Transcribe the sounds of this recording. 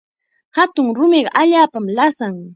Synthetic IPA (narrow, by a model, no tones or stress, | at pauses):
hat̪ʊŋɾʊmɪɢɑʔaʎaːpamlasaŋ